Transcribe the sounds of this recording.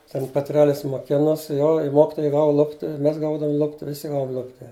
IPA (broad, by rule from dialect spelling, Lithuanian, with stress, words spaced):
ˈtʲɛn pʲɛˈtʲrʲæːlʲɪs moːˈkʲɪnoːs ˈjoː ɪ ˈmoːkʲɪtoːjɛɪ ˈɡɑːʋʊ ˈlˠʊpʲtʲɪ ɪ ˈmʲɛs ˈɡɐʊdɐʋʊm ˈlˠʊpʲtʲɪ ʋʲɪˈsʲɪ ˈɡɑːʋʊm ˈlˠʊpʲtʲɪ